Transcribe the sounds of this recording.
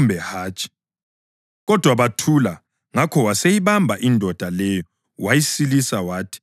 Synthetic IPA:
mbʱɛhaːt͡ʃʼi̥ | ɣɔd̥ʱwaβatʰula | ŋakʰɔwasejiβambʱaʔindʱɔd̥ʱalɛjɔ | wajisilisawaːtʰi̥

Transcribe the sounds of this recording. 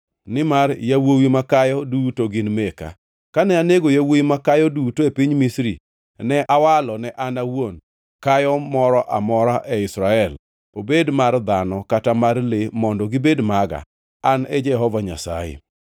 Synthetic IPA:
nɪmarjawowimakajɔdutoɡɪnmeka̰ | kanɛaneɡojawoimakajɔdutoepiɲmisɾi | nɛʔawalɔnɛʔanawon | kajɔmɔɾɔʔamɔɾaʔɛɪsɾaɛl | obedmard̪anɔkatamarlemɔndɔɡɪbedmaɡa̰ | anɛd͡ʒɛɦɔvaɲa̰sa̰jḛ

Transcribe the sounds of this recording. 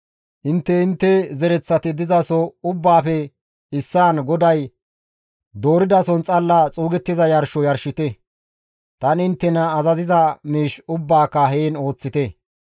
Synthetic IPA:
ʔɪnt̪ːɛɪnt̪ːɛzɛɾɛt͡sːɐt̪ɪd̪ɪzɐsɔʊbːaːfɛ | ɪsːaːnɡɔd̪ɐj | d̪o̞ːɾɪd̪ɐsɔnt͡sʼɐlːɐt͡sʼuːɡɛt̪ːɪzɐjɐɾʃɔjɐɾʃɪt̪ɛ | t̪ɐnɪnt̪ːɛnɐːzɐzɪzɐmiːʃʊbːaːkːɐɦeːno̞ːt͡sːɪt̪ɛ

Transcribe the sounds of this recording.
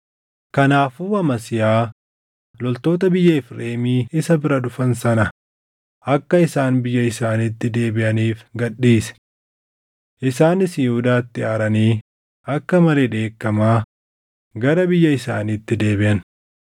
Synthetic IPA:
kɐnaːfuːɐmɐsɪjaː | lɔlt̪o̞ːt̪ɐbɪjːɐɪfɾeːmiːɪsɐbɪɾɐᶑʊfɐnsɐnɐ | ʔɐkːɐɪsaːnbɪjːɐɪsaːnit̪ːɪd̪e̞ːbɪʔɐniːfɡɐᶑːiːsɛ̥ | ʔɪsaːnɪsjhʊd̪aːt̪ːɪaːɾɐniː | ɐkːɐmɐleːᶑe̞ːkːɐmaː | ɡɐɾɐbɪjːɐɪsaːnit̪ːɪd̪e̞ːbɪʔɐn

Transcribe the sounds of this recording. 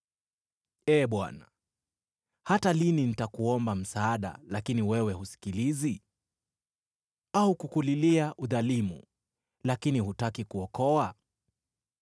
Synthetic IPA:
ɛɓwa̰na | hatalininitakuɔmbam̩saːɗa̰lakiniwɛwɛhusi̥kilizi | aukukuliliaʔuðalimṵ | lakinihutakikuɔkɔa

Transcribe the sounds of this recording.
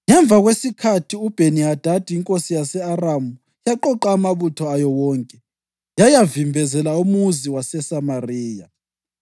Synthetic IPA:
ŋɛɱb̪vʱaɣwesikʰatʰiub̥ʱeniad̥ʱad̥ʱʼiiŋkʼosijasɛaramu | jaǃɔǃaːmaβutʰɔajɔwɔːŋkʼɛ | jajavimbʱɛzɛlaumuziwasɛsamariːja

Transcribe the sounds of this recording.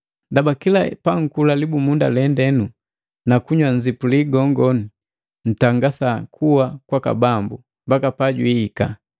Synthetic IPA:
dabakilapaŋ̩kulalibumundalɛndɛnu | nakuɲwaɲzipuliɡɔŋɡɔni | n̩taŋɡasakʰuwakwaka̰bambu | mbakapaɟwiːka̰

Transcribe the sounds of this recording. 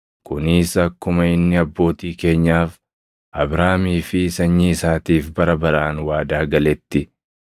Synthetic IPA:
kʊnɪːsɐkːʊmɐɪnːɪɐbːo̞ːt̪iːke̞ːɲːaːf | ʔɐbɾaːmiːfɪsɐɲːiɪsaːt̪iːfbɐɾɐbɐɾaːnwaːd̪aːɡɐlɛt̪ːɪ

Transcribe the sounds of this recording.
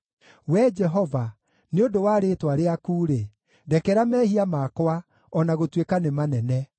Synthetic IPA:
wɛd͡ʒɛɦɔva | neodowaːɾeːtwaɾeakuːɾe | dɛkɛɾamɛːhiamaːkwa | ɔnaɣotwekanemanɛnɛ

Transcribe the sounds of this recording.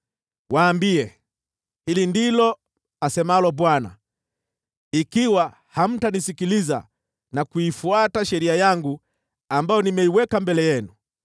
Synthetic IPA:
waːmbiɛ | hilindilɔ | asɛmaalɔbwana̰ | ikiwa | ham̩tanisikiliza̰ | nakuifuataʃɛɾiajaŋɡu | ambajɔnimɛiwɛkambɛlɛjɛnu

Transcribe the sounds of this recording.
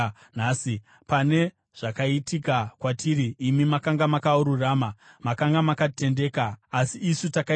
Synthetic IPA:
naːsi | pane̞ | ʐ̥akaitikakwatiɾiːmimakaŋɡamakauɾuraːmamakaŋɡamakate̞nde̞ːkaːsiːsutaka

